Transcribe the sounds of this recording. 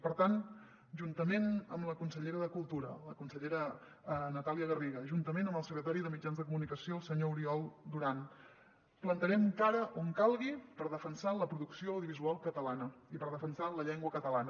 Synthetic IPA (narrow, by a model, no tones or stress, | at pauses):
pəɾt̪an | ʒunt̪əmenəmləkunsəʎeɾəðəkulˠt̪uɾələkunsəʎeɾə | nət̪aliəɣəriɣəʒunt̪əmenəmbəlˠsəkɾət̪aɾiðəmid͡ʒanzðəkumunikəsiolˠsəɲouɾiɔlˠd̪uɾan | plənt̪əɾɛmkaɾəʔoŋkalˠɣipəɾðəfənsaləpɾuðuksioəwðiuβizualˠkət̪əlanəipəɾð̞əfənsanləʎɛŋɡwəkət̪əlanə